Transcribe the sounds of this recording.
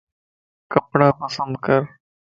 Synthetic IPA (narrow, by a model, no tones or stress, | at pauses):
kəpɽãːpəsənd̪̚kəɾ